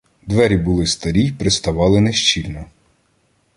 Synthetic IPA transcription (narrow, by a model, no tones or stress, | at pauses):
d̪ʋɛɾʲibʊlˠɪst̪ɐɾʲijpɾɪst̪ɐʋɑlˠɪneʃt͡ʃilʲnɔ